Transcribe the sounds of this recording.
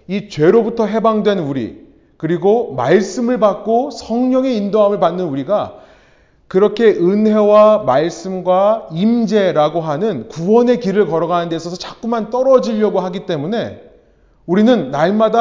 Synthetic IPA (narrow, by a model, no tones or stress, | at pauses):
it͡ɕwe̞ɾobutʰʌɦe̞baŋdwe̞nuɾḭ | kɯɾiɡomaɭs͈ɯmɯɭbak̚k͈osʰʌŋɲʌŋe̞indoɦamɯɭpanːɯnuɾiɡa | kɯɾʌkʰe̞ʔɯnɦe̞wamaɭs͈ɯmɡwaimd͡ʑe̞ɾaɡoɦanɯnkuwʌne̞kiɾɯɭkʌɾʌɡanɯnde̞sʰʌsʰʌt͡ɕak͈̚umant͈ʌɾʌd͡ʑiʎːʌɡoɦaɡit͈e̞mune̞ | uɾinɯnːaɭmada